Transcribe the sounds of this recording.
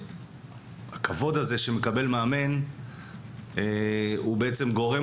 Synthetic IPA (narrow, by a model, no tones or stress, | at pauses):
hakʰavo̞d̪aze̞ʃeme̞kabe̞lmaːme̞n | eubeʔet͡se̞mɡo̞ʁe